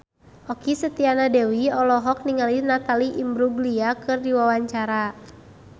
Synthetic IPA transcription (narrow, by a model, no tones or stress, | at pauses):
ɔkisət̪ianadɛwiɔlɔɦɔk̚niŋalinat̪aliʔimbɾuɡliakɨrdiwawaɲt͡ʃaɾa